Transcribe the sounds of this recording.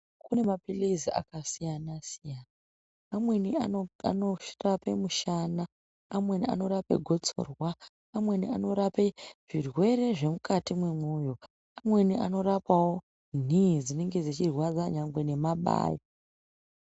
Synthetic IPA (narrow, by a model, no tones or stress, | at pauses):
kune̞mapilizia̰kasijanasijanaː | mweniaanorape̞muʃanaː | mwe̞nia̰no̞ɾape̞̰ɡʱo̞t͡so̞̰rwaː | mwe̞nḭano̞ɾapeʐ̥irwe̞ɾe̞ʐe̞mukʰatimwemujo̞ | amwe̞niʔa̰no̞ɾapawo̞ | nizine̞ŋɡe̞d͡zet͡ʃirwad͡zaɲaŋɡwe̞ne̞maɓa̰ːja